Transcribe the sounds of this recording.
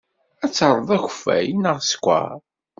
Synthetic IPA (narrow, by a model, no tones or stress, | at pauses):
æt͡sːəɾˤəðˤæçfːæ̰jnəʁskʷːə̰ɾ